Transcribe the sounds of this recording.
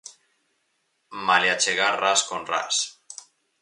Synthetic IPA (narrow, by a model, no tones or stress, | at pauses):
maljat͡ʃeɣaraskonra̰s